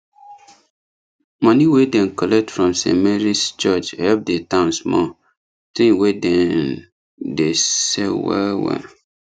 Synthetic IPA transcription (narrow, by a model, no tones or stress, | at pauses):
mɔ̃niwedɛ̃nkɔlɛk̚tfɹɔ̃msɛ̰̃mɛɹist͡ʃɔt͡ʃhɛp̚detãʊ̃nsmɔ̰ | tĩwedɛ̃n | desewɛ̰wɛ̰